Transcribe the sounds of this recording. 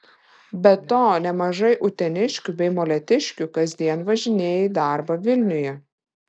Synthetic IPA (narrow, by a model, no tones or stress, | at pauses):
bʲɛt̪oːnʲɛmɐʒɐɪʔʊt̪ʲɛnʲɪʃʲkʲubʲɛɪmoːlʲɛt̪ʲɪʃʲkʲukɐzʲd̪ʲiɛnʋɐʒʲɪnʲeːjɪd̪ɑˑɾbɐʋʲɪlʲnʲʊjɛ